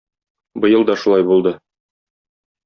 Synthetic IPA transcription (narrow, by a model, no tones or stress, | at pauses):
bɤ̆jɤ̆lˠd̪ɒʃulˠɑjbulˠd̪ɤ